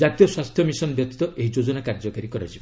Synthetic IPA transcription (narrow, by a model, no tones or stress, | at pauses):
d͡ʒat̪ijɔswast̪ʰjɔmisɔnbjɔkt̪i̥t̪ɔʔeɦid͡ʒod͡ʒɔnakaɾd͡ʒɔkaɾikɔɾa̰d͡ʒibɔ